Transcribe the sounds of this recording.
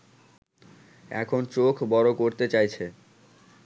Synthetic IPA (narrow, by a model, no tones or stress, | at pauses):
ɛ̰kʰont͡ɕokʰbɔɾokoɾt̪et͡ɕajt͡ɕʰe